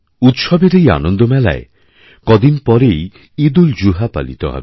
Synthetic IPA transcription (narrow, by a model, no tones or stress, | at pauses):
ut̪ʃɔbeɾeja̰nond̪omɛla̰e | kɔd̪inpɔɾej | id̪uld͡ʑuɦapa̰lḭt̪o̰ɦɔ̰be